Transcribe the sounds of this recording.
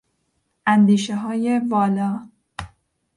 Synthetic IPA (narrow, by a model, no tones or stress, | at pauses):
ʔænd̪iːʃeɦɒːje̞vɒːlɒː